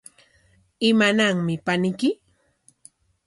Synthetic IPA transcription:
ɪmanaŋmɪpanɪkɪ

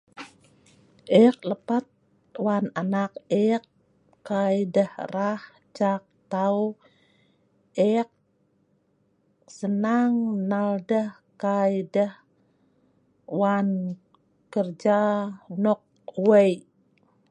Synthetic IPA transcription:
ʔɛk̚ləpat̪̚ | wananak̚ekː | ajdəhrah | t͡ʃak̚t̪aw | ʔɛk̚ | sənaŋnaldəh | kajdəh | wan | kərd͡ʒanɔk̚ | wəj

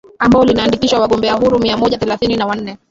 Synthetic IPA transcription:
ambaɔlinaːndikiʃwawaɠɔmbɛaɦuɾumiamɔʄaθɛlaθininawan̩nɛ

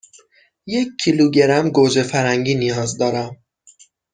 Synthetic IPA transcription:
jec̚ʰːiluɟeɾæmɡod͡ʒefæɾæŋɟiːnijɒːzd̪ɒːɾæm

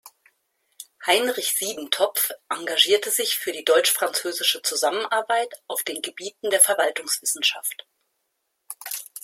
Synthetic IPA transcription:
haɪnʁɪçz̥iːdn̩tʰɔfʔaŋɡaʒiːɐtəzɪçfyːɐɾiːdɔʏt͡ʃfʁ̥ant͡søːzɪʃət͡suzamənʔaɐbaɪtʔaʊfd̥eːnɡəbiːtn̩deːɐfɛɐvaltʊŋsv̥ɪsn̩ʃa̰ft

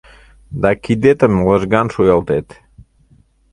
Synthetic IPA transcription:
d̪ɑkid̪et̪əmlə̆ʒɣɑnʃujɑlˠt̪et̪

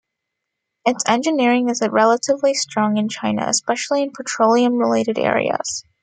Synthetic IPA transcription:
ɨtsɛ̃nd͡ʒɨnɪɹɪ̃ŋɨzɹɛlˠəɾɨvlistɹ̥ɔ̃ŋɨ̃nt͡ʃʰãɪ̃nɨ̰ɨ̰spɛʃl̩ˠiɨ̃npʰətʰɹ̥oʊlˠiɨ̃mɹɪleɪɾɨɾɛ̰ɹḭɨ̰z̥

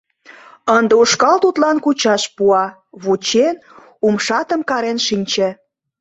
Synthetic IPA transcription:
ənd̪euʃkɑlt̪ut̪lɑnkut͡ɕɑʃpuɑ | βut͡ɕen | umʃɑt̪əmkɑɾenʃinʲt͡ɕĕ

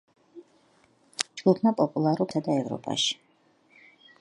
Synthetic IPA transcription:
d͡ʒɡ̥upʰnapʼɔpʼulˠaɾuɾsad̪aɛvɾɔ̰pʼa̰ʃi̥

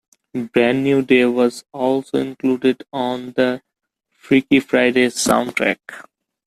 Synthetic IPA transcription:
bɾæ̃nːjuːɖeːʋɔzɔːlso̰ːɪ̃nkluːɖɪɖɔ̃ːnd̪ə | fɾikifɾaɪɖeːsã̰ʊ̃nʈɾɛ̰k

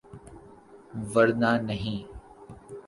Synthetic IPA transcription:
ʋəɾnaːnəɦĩː

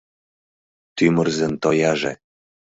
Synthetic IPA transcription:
t̪ymə̆rzĕnt̪ojɑʒḛ̆

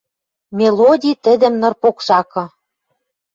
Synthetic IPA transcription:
mʲelodʲit̪ɘ̆d̪ɘ̆mnɤ̆rpokʃɑkɤ̆

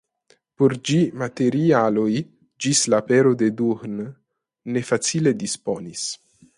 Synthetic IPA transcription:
poɾd͡ʒimate̞ɾialoj | d͡ʒislape̞ɾode̞duɾn | ne̞fat͡sile̞dispo̞nis

